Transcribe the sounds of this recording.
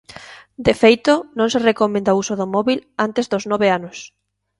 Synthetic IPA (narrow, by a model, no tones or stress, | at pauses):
d̪efejt̪onõŋserekomẽnd̪ausoðomɔβilant̪ezðoznɔβeanʊs